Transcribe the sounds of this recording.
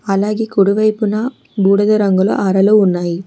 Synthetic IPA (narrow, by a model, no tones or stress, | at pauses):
ɐlaːɣikʊɽʊʋɐɪpːɯnaː | buːɽɐðɐɾɐŋɡɐɭo̰ʔɐɾɐlɯʊnːaːji